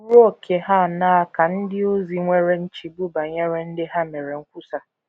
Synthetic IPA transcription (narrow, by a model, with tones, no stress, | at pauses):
ɾo˦˨kʰe˨ɦa˦˨na˦a˨ka˨n̩˦dɪ˦o˦zi˦ŋʷe˦ɾe˦n̩˦t͡ʃi˨bu˦ba˨ɲe˦ɾe˦n̩˦dɪ˦ɦa˦me˨ɾe˨ŋ̩˦kʷu˦sa˨